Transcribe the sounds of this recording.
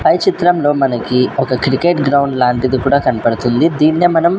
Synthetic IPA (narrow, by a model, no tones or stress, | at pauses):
pɐjt͡ʃit̪ɾɐmlo̞ːmɐnɐkiɔkɐkɾikeːʈɡɾɐwɳɖlaːɳʈid̪ikuːɽaːkɐnɐpɐɽut̪und̪id̪iːnːemɐnɐm